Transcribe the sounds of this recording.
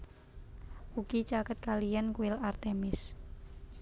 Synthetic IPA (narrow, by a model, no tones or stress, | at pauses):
ukit͡ʃakət̪̚kalijankuɪlart̪emɪs